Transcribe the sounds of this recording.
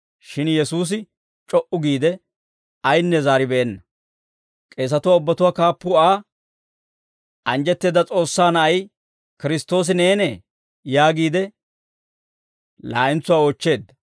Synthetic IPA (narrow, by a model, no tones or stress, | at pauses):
ʃɪnjɛsuːs̬ɪ | t͡ʃʼɔʔʊɡiːd̪ɛ | ɐjnːɛzaːɾɪbɛʔɛnːɐ | kʼe̞ːs̬ɐt̪ʊwaːʊbːɐt̪ʊwaːkaːpːʊaː | ʔɐnd͡ʒɛt̪ːe̞ːd̪ɐt͡sʼo̞ːsːaːnɐʔɐj | kɪɾɪst̪ːo̞ːs̬ɪneːnɛ | jaːɡiːd̪ɛ | laːʔɪnt͡sːʊwaːoːt͡ʃːe̞ːd̪ːɐ